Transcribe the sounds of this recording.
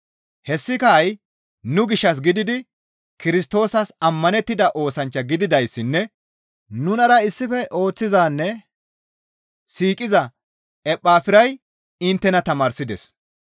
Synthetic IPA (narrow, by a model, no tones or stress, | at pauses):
hɛsːɪkɐːj | nʊɡɪʃːɐs̬ɡɪd̪ɪd̪ɪ | kɪɾɪs̬t̪o̞ːsɐsɐmːɐnɛt̪ːɪd̪ɐʔo̞ːsɐnt͡ʃːɐɡɪd̪ɪd̪ɐjsːɪnːɛ | nʊnɐɾɐɪsːɪfɛʔo̞ːt͡sːɪzaːnːɛ | siːkʼɪzɐ | ɛpʼːaːfɪɾɐj | ɪnt̪ːɛnɐt̪ɐmaːɾsɪd̪ɛs